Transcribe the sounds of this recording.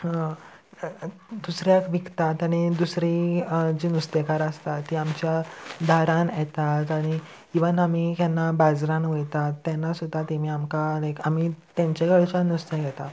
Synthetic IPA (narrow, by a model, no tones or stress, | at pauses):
d̪usɾjakʋikt̪at̪aɽ̃id̪usɾid͡ʑinust̪ekaɾəst̪at̪ːiːamt͡ɕjad̪ʱaɾãnjɛt̪at̪aɽ̃i | iʋənamikɛnːabad͡zɾãnʋujt̪at̪ːɛnːasud̪ʱat̪emiːamkanekamit̪ãɲt͡ɕeɡəɭt͡ɕanust̪ekɛt̪a